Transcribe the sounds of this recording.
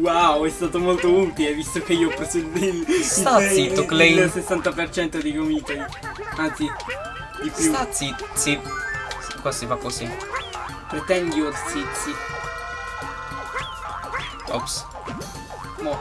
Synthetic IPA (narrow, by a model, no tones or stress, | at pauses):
wawɛst̪aːt̪omolt̪ount̪ilevist̪okeiːopɾot͡ʃed̪ːeiait̪oklej̪elsesːant̪apert͡ʃɛnt̪od̪ikomit̪oi | ant̪si | d̪ipjuasisiskwasifakːosi | pɾet̪ɛŋɡ̪joɾsit̪si | ɔps | nɔ